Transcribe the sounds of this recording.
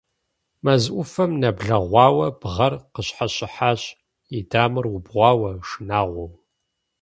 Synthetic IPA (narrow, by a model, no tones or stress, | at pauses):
mɐzʔʷʊfɐmnɐbɮɐʁʷɑːwɐb̥ʁɐrqəɕħaɕʼɪħaːɕ | idaːmɨrwʊbʁʷɑːwɐʂɨnaːʁʷɔw